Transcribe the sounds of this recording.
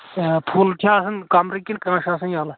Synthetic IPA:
pʰuːlʈʰʲjaːsɐnkamɾikːinkãːʃãːsɐnjaːla

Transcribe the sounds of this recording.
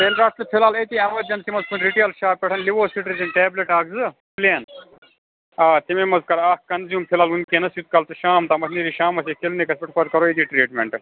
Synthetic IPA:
peːlɾaːspɐpʰilaːlɐt̪iːɐmɐd̪ʲɐnt̪imɐzpʰiɳʈɾiʈelʃaːpʲɛʈʰɐnliʋoːsiʈɾizinʈeːbleʈaːkzɨpleːn | aːt̪imemɐzkɐɾaːkkɐnzjuːmpʰɪlaːlunkeːnɐsjut̪̚kɐlt̪ɨʃaːmt̪amɐt̪ʰniːɾiːʃaːmɐseːkilnikɐspɪʈʰpʰɐɾ̚kɐɾoːet̪iːʈɾeːʈmḛɳʈ

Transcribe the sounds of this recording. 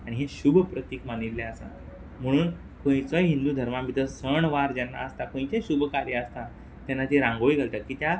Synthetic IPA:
aɽiɦẽɕubʱpɾət̪iːkmanilːaəsa̰ | m̤əɽ̃uːn | kõjt͡sɔjɦind̪uːd̪ʱəɾmamit̪əsəɳʋaɾd͡ʑɛnːa̰əst̪akõjt͡ɕeɕubʱkaɾjəəst̪a | t̪janːat̪iɾãŋɡoiɡʱəlt̪akiːt̪ja

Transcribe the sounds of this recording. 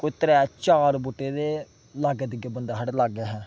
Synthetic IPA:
kʊt̪ɾɛt͡ʃaːɾboːʈeːd̪eː | laːɡɛd̪ɪɡebənd̪aːɦəɖlaːɡɛːɦɛ̃ː

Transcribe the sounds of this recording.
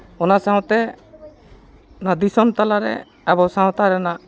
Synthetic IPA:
ɔnasaɦɔ̃t̪ɛ | nad̪isɔnt̪alaɾɛ̰ | abɔsaɔ̃t̪aɾɛna

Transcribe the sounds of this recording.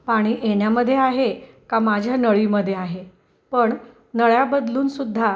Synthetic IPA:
paɽ̃iːʔeɽjaməd̪ʱːjeaɦe | kamad͡ʑʱjanəɭiːməd̪ʱːjeaɦe | pəɳ | nəɭjabəd̪luːnsud̪ʱːa

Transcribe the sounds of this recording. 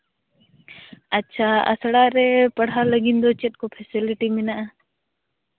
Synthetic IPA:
ɐtːʃʰaɐ̰sɽaɾɛpɐɽ̤aləɡind̪ɔt͡ʃɛt̪̚kopʰɛsiliʈimɪnaʔ

